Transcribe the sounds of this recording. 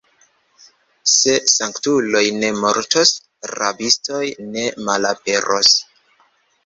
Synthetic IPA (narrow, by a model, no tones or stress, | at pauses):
se̞saŋktulo̞jne̞moɾtos | ɾa̰bisto̞jne̞malape̞ɾʔos